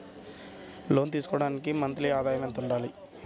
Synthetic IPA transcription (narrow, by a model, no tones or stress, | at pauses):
lo̞ːnt̪̬iːsu̥kɔːɽaːnikimɐnt̪liaːd̪ʱaːjɐment̪uɳɖaːli